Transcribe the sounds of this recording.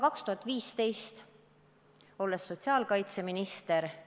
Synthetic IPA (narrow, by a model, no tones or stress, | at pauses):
kɑkst̪uhɑt̪ːˑviːst̪e̞jst̪ | o̞lːe̞sːo̞t̪ʲsiɑːlkɑjt̪se̞minist̪e̞ɾ